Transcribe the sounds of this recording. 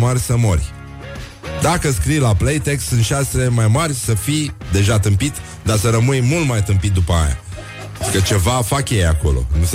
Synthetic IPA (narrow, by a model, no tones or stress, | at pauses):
marʲsəmorʲ | d̪akəskɾijlaplejt̪e̞kst̪sɨnt̪ʃasele̞majmarʲsəfid̪e̞ʒat̪ɨmpit̪ | d̪asəɾəmɨjmult̪majt̪ɨmpit̪̚d̪upəa̰ja̰ | kət͡ʃe̞vafakje̞jako̞̰lo̞̰nus